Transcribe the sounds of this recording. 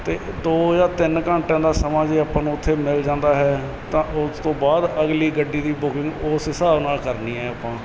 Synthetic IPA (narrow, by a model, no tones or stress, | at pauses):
t̪eː | d̪oːjaːt̪ɪnkəɳʈãːnd̪aːsəmãːd͡ʒeːaːpãːnũːʊt̪ʰːeːmɪld͡ʒãːnd̪aːɦɛː | t̪ãːʔʊst̪õːbaːd̪əɡliːɡəɖiːd̪iːbʊkɪ̃ŋɡoːsɪsaːbnaːlkəɾniːɛːaːpãː